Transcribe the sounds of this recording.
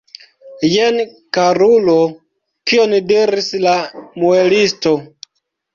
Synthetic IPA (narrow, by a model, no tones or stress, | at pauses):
jen | kaɾulo | kiondiɾislamuelisto̞